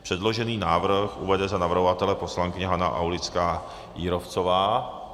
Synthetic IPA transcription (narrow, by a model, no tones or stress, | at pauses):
pr̥ɛdlo̞ʒɛniːnaːvr̩xʔṵvɛdɛzanavr̩ɦovat̪ɛlɛpo̞slaŋkɪɲɛɦana̰ʔa̰wlɪt͡skaː | jiːɾo̞ft͡sovaː